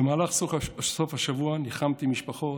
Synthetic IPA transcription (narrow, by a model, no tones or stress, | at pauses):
bemaːlaχsosofhaʃavuaniχamt̪imiʃpaχo̞